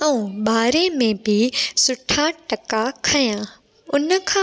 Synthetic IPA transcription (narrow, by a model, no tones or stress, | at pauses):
ɛ̃ũɓaːɾemẽbɪsʊʈʰaʈɐkakʰɐjã | ʊnə̆kʰã